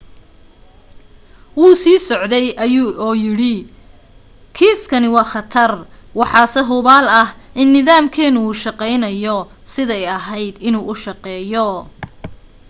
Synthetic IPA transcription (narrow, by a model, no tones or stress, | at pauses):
wuːsiːsɔʕd̪ɛjʔɐjuːʔɔːjɪɽɪ | kʰiːskʰɐnɪwɑːχɑt̪ʰɐrwɑħɑːsɛɦʊβaːlɐhʔɪnːɪðaːmkʰɛːnʊuːʃɑqɛjnɐjɔ | sɪðɛjɐɦɛjd̪ɪnuːʔʊʃɑqɛːjɔ